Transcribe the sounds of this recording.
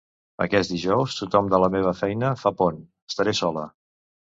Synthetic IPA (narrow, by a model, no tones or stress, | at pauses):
ə̰kɛt̪d̪iʒɔwst̪ut̪ɔmd̪ələmeβ̞əfɛjnəfapon | əst̪əɾesɔlə̰